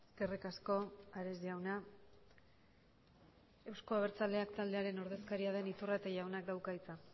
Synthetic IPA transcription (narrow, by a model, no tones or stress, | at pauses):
eske̞rikasko̞aɾe̞zʝawna | e̞wsko̞aβ̞e̞ɾt͡sald̪e̞akt̪ald̪e̞aɾe̞no̞ɾðe̞skaɾiað̞e̞nit̪urat̪aʝawnak̚d̪awkait͡sa